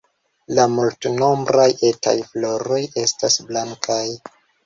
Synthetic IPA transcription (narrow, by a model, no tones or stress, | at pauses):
lamultno̞mbɾaje̞tʰa̰jflo̞ɾo̞je̞stasblaŋkʰaj